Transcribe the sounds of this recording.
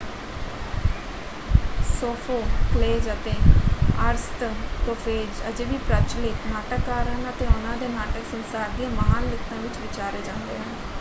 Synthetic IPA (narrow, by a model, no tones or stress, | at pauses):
soːfʰoːkleːd͡ʒət̪eːəɾst̪kofʰeːd͡ʒəd͡ʒeːʋiːpɾət͡ʃlɪːknaːʈəkːaːɾənət̪eːʊnãːd̪eːnaːʈəksənsaːɾd̪ijãːməɦaːnlɪkt̪ãːʋɪt͡ʃʋɪt͡ʃaːɾeːd͡ʒãːnd̪ḛːɦɛ̃ː